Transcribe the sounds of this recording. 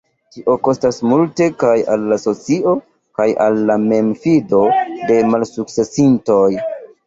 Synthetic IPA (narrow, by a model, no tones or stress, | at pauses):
tiʔo̞ko̞stasmulte̞kaja̰lːaso̞t͡siʔo̞ | kaja̰lːame̞mfido̞de̞malsuk̚t͡se̞sinto̞j